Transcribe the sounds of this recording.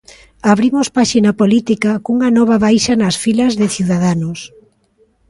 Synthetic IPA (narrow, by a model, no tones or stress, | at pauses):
aβɾimospaʃinapolit̪ikakuŋɐnɔβ̞aβajʃɐnɐsfilɐzðɪθiuwðaðanos